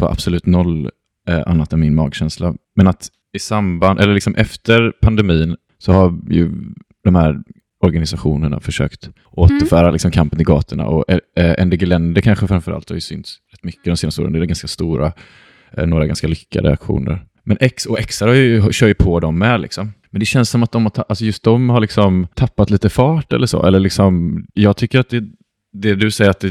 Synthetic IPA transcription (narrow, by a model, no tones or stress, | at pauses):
va̰ʔa̰b̥sɔlʉ̟ːt̪nɔlː | ʔa̰nːat̪ɛnmɪnmɑːɡɕɛnslamɛnat̪ | ɪsamband̪ʔɛləlɪksɔmʔɛft̪ʰəɾpʰand̪ɛmiːn | sɔhajɵ̰ | d̪̥ɔmhæːɾ | ɔɾɡanɪsaɧuːnəɳa̰fœʂø̰ːkt̪ | ʔoːt̪əɾfœːɾalɪksɔmkʰampənɪɡɑːt̪ʰəɳa̰ʔɔʔɛʔɛ̰nd̪əɡɪlɛnd̪əkʰanɧəfɾamfœɾa̰lt̪haɾjɵsʏnt̪sɾɛt̪ːmʏkːəd̪ɔmseːnast̪uːɾə̰nɛd̪ɛɡanskast̪uːɾʔa | noːɾaɡanskalʏkʰːa̰d̪ə̰akɧṵːnə̰ɾ | mɛnʔɛksɔɛksaɾhajɵɦɕœːɾjpʰɔd̪ɔmːɛlɪ̰ksɔmmɛnd̪ɛɕɛnssɔmat̪̚d̪ɔmhatʰaʔalsɔjɵst̪̚d̪ɔmhaɭɪksɔmt̪ʰapːat̪liːt̪əfɑːʈɛ̰lːəʂo̰ːʔɛləɭɪksɔmjɑːɡ̚t̪ʰʏkːəɾat̪̚d̪ɛ | d̪ɛd̪ɵsɛjːəɾat̪̚d̪ɛ